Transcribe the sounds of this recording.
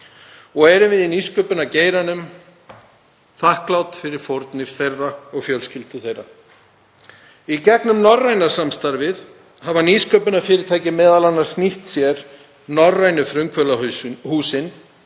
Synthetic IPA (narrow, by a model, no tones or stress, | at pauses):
ɔɣɛɾʏvɪðiniskœːpʏnaceːjɾanʏm | θahklawt̪fɪɾɪɾ̥fɔɾt̪nɪɾ̥θejrːaɔɣfjœlscɪlt̪ʏθejra̰ | icɛknʏmnɔrrːajnḁsamst̪aɾvɪð | havaniskœːpʏnafɪːɾɪɾt̪ʰaːjcɪmɛːðalanːaɾ̥sniht̪sjɛɾ | nɔrːajnʏfɾʏŋkʰvœlahuːsɪn